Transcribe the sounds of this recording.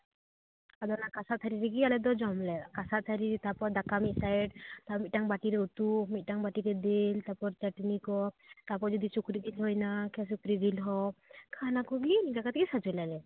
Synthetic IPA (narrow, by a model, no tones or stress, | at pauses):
ad̪ɔnakasat̪ʰaɾiɾɛɡialɛd̪ɔd͡ʒɔmlɛkasat̪ʰaɾiɾt̪apɔd̪akamit̪̚ˀsajɖt̪amit̪̚ʈaŋbaʈiɾɛut̪umit̪̚ˀʈaŋbaʈiɾɛd̪elt̪apɔɾt͡ʃaʈinikɔt̪apɔɾd͡ʒɔd̪isukɾid̪ilɦɔjnakɛs̬ukɾid̪ilɦɔkʰanakuɡinikakat̪ʰkisad͡ʒɔjlalɛ